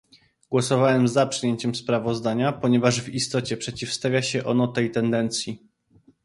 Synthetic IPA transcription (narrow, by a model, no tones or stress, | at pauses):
ɡwɔsɔvawɛmzapʂɘjeɲt͡ɕɛmspɾavɔzd̪aɲapɔɲɛvaʐvist̪ɔt͡ɕɛpʂɛt͡ɕifst̪avʲjaɕɛʔɔnɔt̪ɛjt̪ɛnd̪ɛnt̪sʲji